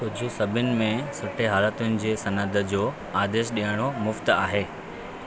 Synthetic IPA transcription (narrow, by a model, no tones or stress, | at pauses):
kʊd͡ʑʱʊ̆sɐbʱʊnɪ̆mẽsʊʈʰeɦaːlət̪ʊnɪ̆d͡ʑeːsɐnəd̪ʱə̆d͡ʑoː | aːd̪eːʃɗijəɽ̃omʊft̪a̰ːɦeː